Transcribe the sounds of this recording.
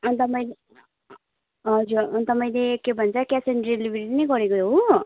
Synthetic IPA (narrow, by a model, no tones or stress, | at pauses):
ʌnt̪ʌmʌj̃le | ɦʌd͡zuɾʌnt̪ʌmʌ̃ĩlekebʱʌnt͡sʰʌkasenɖrilibʱiɾiʈinʌjɡʌɾekoɦo